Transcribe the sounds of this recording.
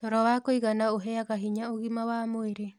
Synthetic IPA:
ɔɾɔwakoiɣanaoɦɛaɣaɦiɲaoɣimawamoeɾe

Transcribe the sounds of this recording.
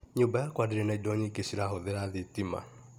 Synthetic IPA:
ɲubajakwadiɾɛnaidɔɲikesiɾaɦoðeɾaðitima̰

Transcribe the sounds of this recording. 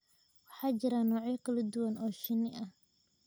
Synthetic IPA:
wɑħɑːt͡ʃɪɾaːnɔːʕjɐkʰɐlɐd̪ʊwɐnɔːʃɪnɪʔɐh

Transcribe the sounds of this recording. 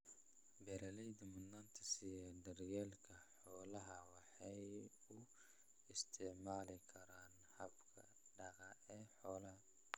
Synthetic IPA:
bɛɾɐlɛjd̪ɐmʊnːɐnt̪ʰɐsɪjɛd̪ɐrjɛːlkʰɐħɔːlɐɦɐwɑħɑj | ʊ | ɪst̪ʰɛʕmaːlɪkʰɐɾaːn | hɐbkʰɐ̰ | ɖɐqɑɛːħɔːlɐɦɐ

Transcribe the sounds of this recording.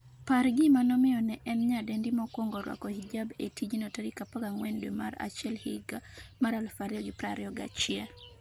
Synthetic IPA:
paɾɡɪmanɔmɪɔnɛʔɛnɲadendimɔkwɔŋɡɔɾwa̰kɔhid͡ʒabetid͡ʒinɔtaɾikapaɡaŋwɛndwema̰ɾa̰t͡ʃjɛlhɪɡamaɾalfaɾjɔɡɪpɾaɾjɔɡa̰t͡ʃɪa

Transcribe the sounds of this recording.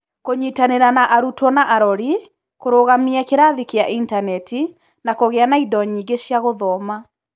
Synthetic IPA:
koɲitaneɾanaʔaɾutwɔnaʔaɾɔɾi | koɾoɣamiɛkeɾaðikeaʔintanɛtʰi | nakoɣeanaidɔɲiːɡeɕjaɣoðɔma

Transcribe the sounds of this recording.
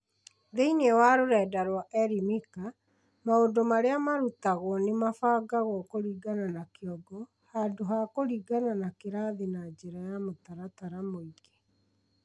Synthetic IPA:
ðeinɛwaɾoɾɛːdaɾwaʔɛɾimika | maondomaɾeamaɾutaɣwɔnemafaːɡaɣɔkoɾiːɡananakeɔɡɔ | handoɦakoɾiːɡananakeɾaðenad͡ʒeɾajamotaɾataɾamoiɡe

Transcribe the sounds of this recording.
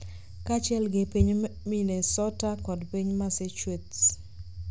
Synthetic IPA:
kat͡ʃɪɛlɡɪpiɲminesɔtakɔdpiɲmaset͡ʃwets

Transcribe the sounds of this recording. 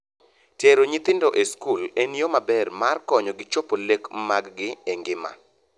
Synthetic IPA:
teɾoɲɪt̪ɪndoʔeskuleniomabɛrmarkɔɲɔɡɪt͡ʃopolekmaɡɡɪeŋɡɪma̰

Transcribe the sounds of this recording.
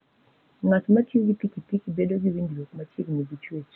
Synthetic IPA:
ŋatmatjɡipikipikbedoɡiwindwokmat͡ʃiɡniɡit͡ʃwet͡ʃ

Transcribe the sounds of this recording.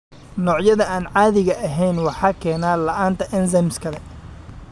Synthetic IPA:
nɔːʕjɐðɐaːnʕɑːðɪɣɐʔɐɦɛjnwɑħɑːkʰɛːnaːlɐʔaːnt̪ʰɐʔɪnsɛmskʰɐlɛ

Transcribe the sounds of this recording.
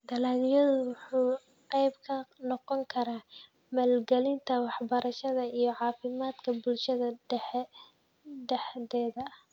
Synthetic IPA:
d̪ɐlaːnijɐðʊwʊħuː | qɛjbkʰɐnɔqɔŋkʰɐɾaː | mɐlɡɛlɪnt̪ʰɐwɑħbɐɾɐʃɐðɐijɞʕɑːfɪmaːd̪kʰɐbʊlʃɐðɐɖɛħɛ | ɖɛħðɛːðɐ

